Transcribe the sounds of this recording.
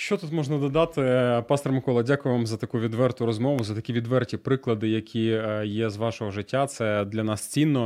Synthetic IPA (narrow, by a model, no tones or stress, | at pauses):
ʃt͡ʃɔt̪ut̪mɔʒnɐd̪ɔd̪ɑt̪ɪpɑst̪ɔrmɪkɔlˠɐdʲakʊjɪʋɑmzɐt̪ɐkuʋʲid̪ʋɛrt̪ʊɾɔzmɔʋʊzɐt̪ɐkʲiʋʲid̪ʋɛrtʲipɾɪklˠɐd̪ɪjɐkʲijɛzʋɑʃɔɦɔʒɪtʲːat̪sɛd̪lʲɐnɑst͡sʲinːɔ